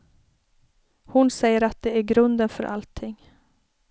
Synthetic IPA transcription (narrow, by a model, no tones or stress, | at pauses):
hʊnsɛjːəɾat̪̚d̪ɛæɾɡɾɵnd̪ənfœ̰ɾʔa̰lt̪ʰːɪŋ